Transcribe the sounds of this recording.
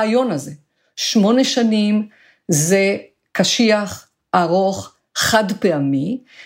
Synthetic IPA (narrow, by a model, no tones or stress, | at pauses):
ajo̞naze | ʃmo̞neʃanim | ze | kaʃiaχ | aʁoχ | χadpeami